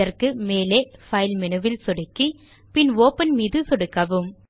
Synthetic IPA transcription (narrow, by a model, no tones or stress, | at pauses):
ɐrkɯmeːleːfɐɪlmɛnɯʋɪlsɔɽɯkːi | pɪnʋoːpɐnmiːðɯsɔɽɯkːɐʋɯm